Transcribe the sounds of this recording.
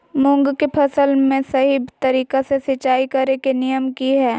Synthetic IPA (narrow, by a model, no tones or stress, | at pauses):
mʊ̃ŋɡkepʰɐsəlmẽsɐɦibt̪ɐɾiːkasesɪt͡ʃːaːikɐɾekenɪjəmkiɦɛː